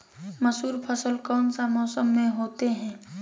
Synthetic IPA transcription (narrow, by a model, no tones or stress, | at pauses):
məsuːɾpʰəsəlkɔːnsamɔːsəmːẽɦoːt̪eɦɛ̃ː